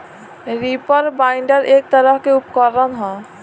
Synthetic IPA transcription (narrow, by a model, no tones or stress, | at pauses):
ɾipɔɾbaɪɳɖəɾʔek̚t̪əɾaɦkeupkɔɾːanɦɔ̃